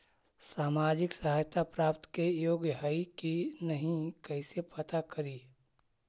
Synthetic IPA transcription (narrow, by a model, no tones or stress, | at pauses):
saːmaːd͡ʒɪksəɦajt̪apɾaːpt̪kejoːɡjəɦaikinəɦĩkɐɪsepət̪akəɾiː